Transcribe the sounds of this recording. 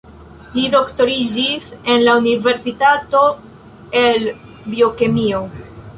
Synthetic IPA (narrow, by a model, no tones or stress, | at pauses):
lido̞kto̞ɾid͡ʒise̞nlaunive̞ɾsitato̞ | el | bio̞kemio